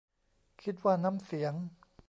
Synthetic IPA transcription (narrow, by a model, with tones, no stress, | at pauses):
kʰi˦˥t̪̚waː˥˩na˦˥˨msi˨˩˦əŋ